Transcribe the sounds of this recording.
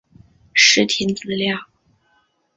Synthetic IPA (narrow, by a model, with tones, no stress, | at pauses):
ʂɻ̩˥t̪ʰi˧˥nt͡sɹ̩˧˥ljɑ˥˩ŋ